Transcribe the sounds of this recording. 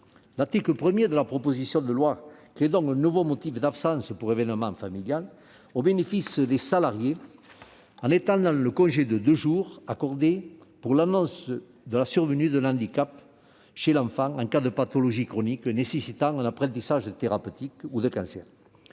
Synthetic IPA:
laʁt̪ikləpχəmjed̪əlapχɔpozisjɔ̃d̪əlwakχed̪ɔ̃ŋkɛ̃nuvomot̪ifd̪apsɑ̃spuʁevɛnəmɑ̃familjal | obenefisd̪esalaʁje | ɑ̃net̪ɑ̃nd̪ɑ̃ləkɔ̃ʒed̪əd̪øʒuʁakɔʁd̪epuʁlanɔ̃s | d̪əlasyʁvənyd̪ənɑ̃d̪ikap | ʃelɑ̃fɑ̃ŋɑ̃ŋkad̪əpat̪ɔlɔʒikχɔniknesesit̪ɑ̃ŋɛ̃napχɑ̃nt̪isaʒəd̪ət̪eʁapøt̪ikud̪əkɑ̃sɛ̰ʁ

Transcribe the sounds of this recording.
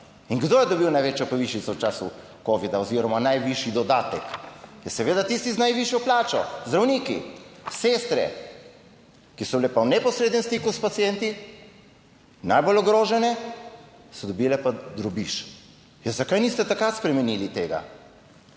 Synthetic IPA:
iŋɡd̪oːjɛd̪ɔbiwnajʋeːt͡ʃjɔpɔʋiʃit̪sɔwt͡ʃaːsu | koːʋid̪aɔziːɾɔmanajʋiʃid̪ɔd̪aːt̪ɛkjɛsɛʋeːd̪at̪ist̪iznajʋiʃjɔplaːt͡ʃɔzd̪ɾawniːkḭsest̪ɾɛ̰ | kisɔblɛpawnɛpɔsɾeːd̪nɛmst̪ikuspat̪sijɛnt̪i | najbolɔɡɾoːʒɛnɛ | sɔd̪ɔbilɛpad̪ɾɔbiʃ | jɛzakajnist̪ɛt̪akɾat̪spɾɛmɛnilit̪eːɡa̰

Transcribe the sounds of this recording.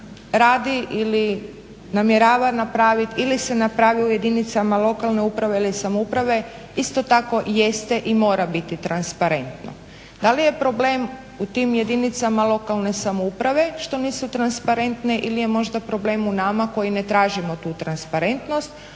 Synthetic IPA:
ɾaːd̪iʔili | namjeɾaːʋanapɾaːʋit̪ilise̞napɾaːʋiuje̞d̪init̪samalˠo̞kalˠne̞upɾaʋe̞ilisamoupɾaʋe̞ | ist̪o̞t̪ako̞je̞st̪eʔimo̞ːɾabit̪it̪ɾanspaɾe̞nt̪no̰ | d̪alije̞pɾo̞ble̞ːm | ut̪imje̞d̪init̪samalˠo̞kalˠne̞samoupɾaʋe̞ʃt̪o̞niːsut̪ɾanspaɾe̞nt̪ne̞ʔilije̞mo̞ʒd̪apɾo̞ble̞ːmunamako̞jine̞t̪ɾaːʒimo̞t̪uːt̪ɾanspaɾe̞nt̪no̞st̪

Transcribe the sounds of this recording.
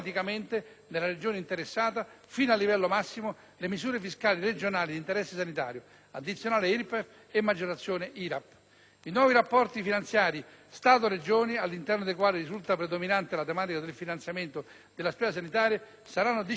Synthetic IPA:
t̪ikament̪e | nelːaɾed͡ʒoːneint̪eɾesːaːt̪a | fiːnalːivɛlːomasːimo | lemizuːɾefiskaːlired͡ʒonaːlid̪int̪eɾɛsːesanit̪a̰ːɾjo | ad̪ːit̪sjonaːleilpef | emːad͡ʒoɾat̪sːjoːneʔiɾap | inwɔːviɾapːɔrt̪ifinant̪sjaːɾist̪aːt̪̬oɾed͡ʒoːnialːint̪ɛrnod̪ekwaːlirizult̪apɾed̪ominant̪elat̪emaːt̪ikad̪elfinant̪sjament̪o | d̪̥elːaspɛːsas̬anit̪aːɾja | saɾanːod̪i

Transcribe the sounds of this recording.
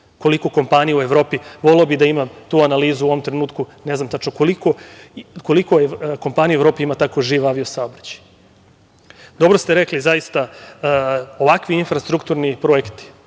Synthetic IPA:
ko̞likoko̞mpanijueʋɾo̞ːpiʋo̞leobid̪aimat̪uːanaliːzuo̞ʋo̞mt̪ɾenuːt̪kuneznamt̪at͡ʃnokolikoko̞likoeko̞mpanijuevɾo̞ːpiimat̪akoʒiːʋaʋiosaobɾḁt͡ɕi̥ | d̪o̞bɾost̪eɾeklizajist̪a | o̞ʋakʋiinfɾast̪ɾukt̪uɾnipɾo̞ekt̪i̥

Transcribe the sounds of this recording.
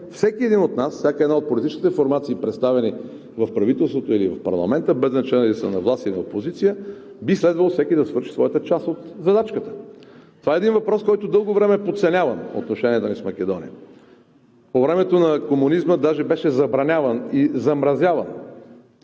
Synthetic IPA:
fsɛkʲiɛd̪inot̪nasfsʲjakəɛd̪naot̪̚polit̪it͡ʃkit̪ɛfoɾmat̪siːpɾɛt̪st̪avɛni | vɐfpɾɐvit̪ɛlˠst̪vot̪oilivɐfpɐ̰ɾlˠɐ̰mɛnt̪əbɛznɐt͡ʃɛnlisənɐvlˠast̪ilinɐopozit̪sijə | bislɛd̪vəlˠofsɛkʲid̪ɐsvɤɾʃi̥svɔjət̪ət͡ʃast̪ot̪zɐd̪at͡ʃkət̪ə̥t̪ovaɛd̪invɐpɾɔskɔjt̪od̪ɤlˠɡovɾɛmɛpot̪sɛnʲavəno̰t̪noʃɛniɛt̪onismɐk̟ɛd̪ɔnḭjə | povɾɛmɛt̪onɐkomunizməd̪aʒɛbɛʃɛzɐbɾɐnʲavənizɐmɾɐzʲjavən

